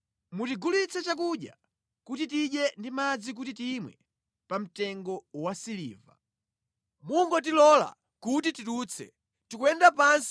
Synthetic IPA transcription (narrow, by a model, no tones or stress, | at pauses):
mutiɡulit͡sʰɛt͡ʃak̬uɗja̰ | kutit̬iɗjɛndimad͡zik̬utitimwɛ̰ | pam̩tɛŋɡɔwasilḭːva̰ | muŋɡɔt̬ilɔla̰ | kut̬itituːt͡sʰɛ̰ | tikwɛndapans